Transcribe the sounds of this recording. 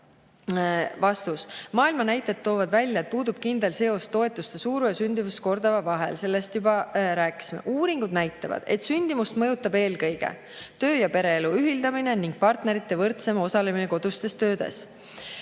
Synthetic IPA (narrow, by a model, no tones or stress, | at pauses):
vɑst̪usmɑːilmɑnæjt̪ːˑet̪ːo̞ːvɑd̪vælʲjɑet̪̚puːd̪ub̥̚kind̪̥e̞lse̞o̞st̪o̞e̞t̪ːˑust̪e̞suːɾujɑsynd̪ivusko̞rd̪ɑvɑvɑɦe̞̰lse̞lːe̞st̪jubɑɾæːkːˑi̥simḛʔuːɾiŋɡ̥ud̪næjt̪ːˑɑvɑ̰d̪̥e̞t̪ˑsynʲd̪imust̪mɤ̞jut̪ːˑɑbe̞ːlkɤjɡ̥e̞̰ | t̪ø̞ːjɑpe̞ɾe̞eluyɦild̪ɑmine̞niŋɡ̥̚pɑrt̪ne̞ɾit̪ˑːe̞vɤrt̪se̞mo̞sɑle̞mineko̞d̪̥ust̪e̞st̪ø̞ːd̪̥e̞̰s